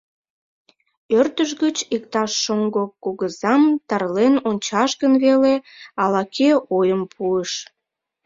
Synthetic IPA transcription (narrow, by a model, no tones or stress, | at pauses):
ørt̪əʃ̬ɣət͡ɕik̚t̪ɑʃːoŋɡokoɣəzɑmt̪ɑrlenonʲt͡ɕɑʃɣənβeleɑlɑkʰeojəmpʰuəʃ